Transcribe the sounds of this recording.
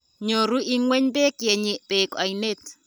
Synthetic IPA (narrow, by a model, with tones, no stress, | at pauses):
ɲo˨ɾu˦ʔi˦ŋwɛ˦ɲbɛ˦kje˨ɲe˨pe˨ka˨i˨ne˦t